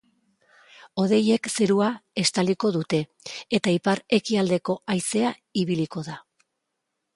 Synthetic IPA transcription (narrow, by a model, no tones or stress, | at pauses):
o̞ðe̞je̞kse̞ɾuae̞st̪aliko̞ðut̪e̞ː | t̪aipaɾe̞kiald̪e̞ko̞ajse̞aiβiliko̞ða